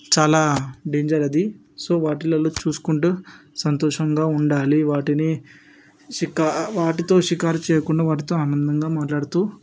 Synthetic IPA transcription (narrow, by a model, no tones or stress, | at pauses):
t͡ʃaːlaːɖeːɲd͡ʒɐɾɐd̪i | so̞ːʋaːʈilɐloːt͡ʃuːsu̥kuɳʈuːsɐnt̪ɔːʂɐŋɡaːuɳɖaːliʋaːʈini | ʃikaʋaːʈit̪o̞ːʃikaːɾt͡ʃɛːjɐkuɳɖaːʋaːʈ̬it̪oːaːnɐnd̪ɐŋɡaːmaːʈlaːɽut̪uː